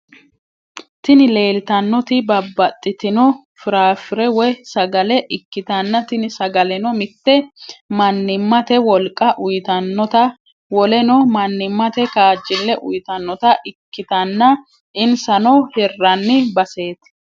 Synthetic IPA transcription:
t̪ɪnɪle̞ːlt̪ɐnːɔt̪ɪbɐbːɐt̪ʼːɪt̪ɪnɔ | fɪɾaːfɪɾɛwɔsɐɡɐlɛʔɪkːɪt̪ɐnːɐt̪ɪnɪsɐɡɐlɛnɔmɪt̪ːɛmɐnːɪmːɐt̪ɛwɔlkʼːɐʔʊjt̪ɐnːɔt̪ɐ | wɔlɛnɔmɐnːɪmːɐt̪ɛkaːd͡ʒːɪlːɛʔʊ̰jt̪ɐnːɔt̪ɐʔɪkːɪt̪ɐnːɐ | ʔɪnsɐnɔhɛrːɐnːɪbɐse̞ːt̪

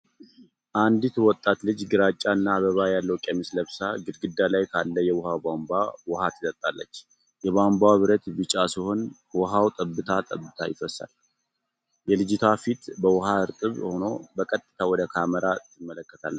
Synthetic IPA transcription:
ʔand̪it̪wɔt̪ʼːat̪lɨd͡ʒɡɨɾat͡ʃʼːanːaβəβajalːəwkʼɛmɨsləβsaɡɨd̪ɡɨd̪ːalajkʰalːəjɛwɔhawbambawɔhat̪ʰɨt̪ʼət̪ʼːalːə̰t͡ʃː | jɛβambawβɨɾət̪bɨt͡ʃʼasiho̞n | wɔɦawt̪ʼəbːɨt̪ʰat̪ʼəbːɨt̪ʰajɪfəsːa̰l | jɛlɨd͡ʒɪt̪ʰafit̪bəwɔɦaɨɾt̪ʼɨβho̞no̞bəkʼət̪ʼːɨ̥t̪ʰawɔd̪əkʰaməɾat̪ʰɨmːələkːət̪ʰalːət͡ʃː

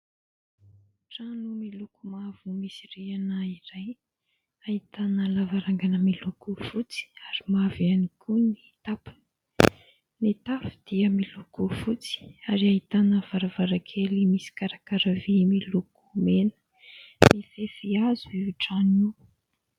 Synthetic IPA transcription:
ʈ͡ʂanumilukumavumisireanəiɾaj | ahit̪anəlavaɾaŋɡanəmilukufut͡si̥aɾimavianikʰunit̪apu̥ | nit̪afud̪̥iəmilukufut͡si̥aɾiait̪anəv̥aɾavaɾakʰelimisi̥kaɾakaɾavimiluku̥menə̥ | mifefiaziuʈ͡ʂani

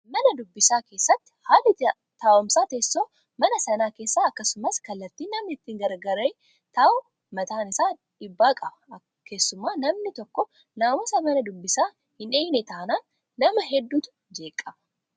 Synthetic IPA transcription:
mɐnɐd̪ʊbːɪsaːke̞ːsːɐt̪ːɪ̥haːlɪt̪ | t̪aːʔɔmsaːt̪eːsːoː | mɐnɐsɐnaːke̞ːsːaɐkːɐsʊmɐskɐlːɐt̪ːiːnɐmɐɪt̪ːiːŋɡɐɾɡɐɾɐ | t̪aːʔɔ | mɐt̪aːnɪsaː | ᶑɪbːaːkʼɐbɐ | ke̞ːsːʊmːaːnɐmnɪt̪ɔkːɔ | naːmɔsɐmɐnɐd̪ʊbːɪsaː | hɪnᶑeːjnɛt̪aːnaːnː | ɐmɐɦɛd̪ːuːt̪ʊ̥ | d͡ʒe̞ːkʼːɐbɐ

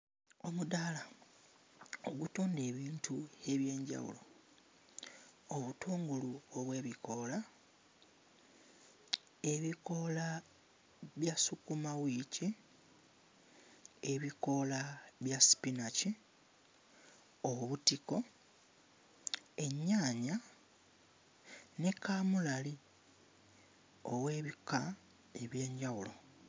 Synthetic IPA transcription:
o̞mudala | oɡutoːnde̞ːβiːntʰue̞βje̞ːɲɟa̰wṵlo̞ | oβutʰuːŋɡuluoβwe̞ːβiko̞la | e̞βiko̞la | βjasukumawici | e̞βiko̞laβjasi̥pinaci | oβutiko̞ | e̞ɲːaːɲa | ne̞kaːmulali | owe̞ːβika | eβje̞ːɲɟawulo̞

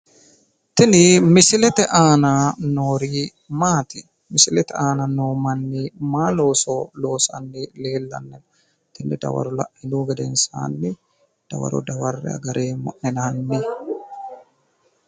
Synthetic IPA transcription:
t̪ɛnimisilɛt̪ɛʔaːnanoːɾi | maːt̪i | misilɛt̪ɛaːnanoːmanːimaːloːsɔloːsanːilɛːlːanːɛl | t̪ɛnɛda̰wa̰ɾɔla̰ʔiluːɡad̪ɛnsa̰ːnːi | d̥a̰wa̰ɾɔ̰dawarːɛ̰a̰ɡaɾʔɛmɔ̰ʔɛnahanːi

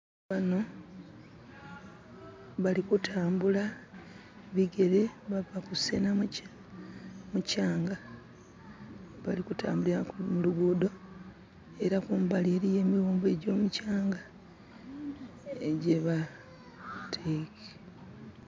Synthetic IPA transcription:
βano̞ | βalikutʰaːmbula | βiɡe̞ɾeβavakuse̞nam | mucaːŋɡa | βalikuta̰ːmbuliɾamuluɡuːdo̞ | e̞ɾakumbaleɾije̞ːmiɾuːmbe̞ɟo̞ːmucaːŋɡa | eɟe̞βa | tʰeːke̥

